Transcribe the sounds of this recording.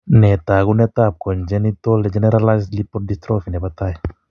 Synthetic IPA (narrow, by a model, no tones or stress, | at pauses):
net̪aɣunet̪ap̚kɔnd͡ʒɛnit̪oled͡ʒɛneɾalajslipɔɾdist̪ɾofinepat̪aj